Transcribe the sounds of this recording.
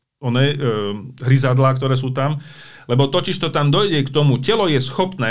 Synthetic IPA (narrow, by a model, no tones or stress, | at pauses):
ɔnɛɛ | ɦɾizad̪lak̚t̪ɔɾɛːs̬uːt̪am | lɛbɔt̪ɔciʃt̪ɔt̪amd̪ɔjɟɛkt̪ɔmucɛlɔjɛsxɔpnɛː